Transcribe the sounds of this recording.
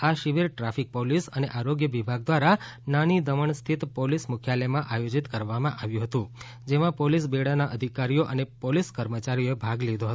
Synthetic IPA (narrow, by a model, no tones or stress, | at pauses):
aʃiʋiɾʈɾafik̚polisəneʔaɾoɡjəʋibʱaɡ̚d̪ʋaɾa | nanid̪əʋəɳst̪ʰit̪polismʊkʰjalemãʔajod͡ʒit̪kəɾʋamãʔaʋjũɦət̪ũ | d͡ʒemãpolisbeɽanaʔəd̪ʱikaɾijoʔənepoliskəɾmət͡ʃaɾijoebʱaɡlid̪ʱoɦət̪